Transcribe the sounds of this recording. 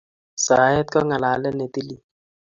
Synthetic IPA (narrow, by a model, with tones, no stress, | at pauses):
sa˨˦ɛ˦t̪̚kɔ˦ŋa˨la˨˦lɛ˦ne˨t̪i˦li˦